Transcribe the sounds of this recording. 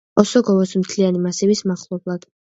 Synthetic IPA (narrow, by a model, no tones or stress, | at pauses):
ɔsɔɡɔvɔsmt̪ʰlianimasɛvismaχlˠɔblˠad̪̥